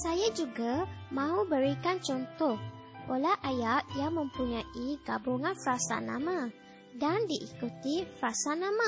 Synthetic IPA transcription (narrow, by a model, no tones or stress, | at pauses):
sajad͡ʒuɡamãubəɾikant͡ʃɔnt̪ɔh | polaʔajaʔjaŋmə̃mpuɲãʔiɡabuŋãnfɾasa̰nã̰mã | dandiʔikut̪ifɾasanãmã